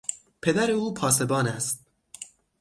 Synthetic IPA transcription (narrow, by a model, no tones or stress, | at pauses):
pʰe̞d̪æɾe̞uːpʰɒːse̞bɒːnæst̪̚